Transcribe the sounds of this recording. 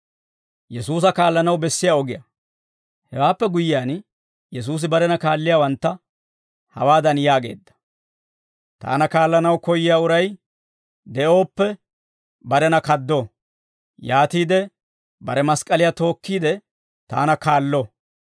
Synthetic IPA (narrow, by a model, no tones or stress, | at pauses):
jɛsuːs̬ɐkaːlːɐnɐwbɛsːɪjaɔɡɪjɐ̰ | hɛwaːpːɛɡʊjɪjaːn | jɛs̬uːs̬ɪbɐɾɛnɐkaːlːɪjaːwɐnt̪ːɐ | hɐ̰waːd̪ɐnjaːɡe̞̰ːd̪ːɐ̥ | t̪a̰ːnɐkaːlːɐnɐwkɔjːɪjaːʊɾɐj | d̪ɛʔo̞ːpːɛ | bɐɾɛnɐkɐd̪ːo | jaːt̪iːd̪ɛ | bɐɾɛmɐskʼɐlɪjat̪o̞ːkːiːd̪ɛ | t̪a̰ːnɐkaːlːɔ